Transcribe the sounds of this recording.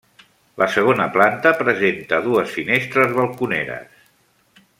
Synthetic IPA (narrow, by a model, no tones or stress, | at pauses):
lʔəsəɣ̞onəplant̪əpɾəzent̪əðuəsfinest̪ɾəzβəlˠkunḛɾə̰s